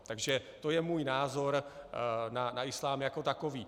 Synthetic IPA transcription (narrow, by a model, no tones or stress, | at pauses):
t̪aɡʒɛt̪o̞jɛmuːjnaːzo̞ɾ | nanaɪslaːmjako̞t̪akoviː